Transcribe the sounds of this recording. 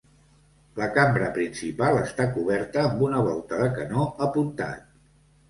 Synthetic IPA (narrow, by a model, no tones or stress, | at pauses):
ləkambɾəpɾinsipalˠəst̪akuβɛɾt̪əːmbunəβ̞ɔlˠt̪əðəkənoəpunt̪a̰t̪̚